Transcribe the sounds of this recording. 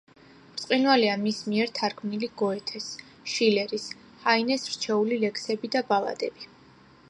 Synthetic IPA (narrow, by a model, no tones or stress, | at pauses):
pt̪sʼqʼinwaliamismiɛɾt̪ʰaɾkʰmniliɡ̥ɔɛt̪ʰɛs | ʃilɛɾis | hainɛsɾt͡ʃʰɛulilɛkʰsɛbid̪abala̰d̪ɛbi